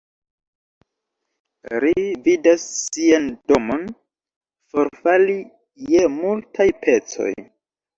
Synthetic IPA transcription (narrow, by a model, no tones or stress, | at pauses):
ɾividasːiando̞mo̞n | fo̞ɾfali | jemultajpʰe̞t͡so̞̰j